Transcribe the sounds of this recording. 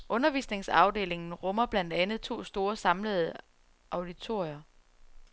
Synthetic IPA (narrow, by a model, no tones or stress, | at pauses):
ʔɔ̽nɐʋḭːsne̝ŋsɑ̈ʊd̥e̝̰ːle̝ŋn̩ʁɔ̽mɐb̥læn̰d̥ænð̞̩ˠt͡sʰo̝̰ːsd̥o̝ːɐsɑ̈mləð̩ˠə | ʔɑ̈ʊd̥it͡sʰo̝ɐ̰jɐ